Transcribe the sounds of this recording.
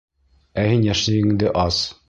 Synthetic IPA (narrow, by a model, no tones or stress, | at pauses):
æhinjæʃlɘ̆jɘ̆ŋd̪ɘʔɑz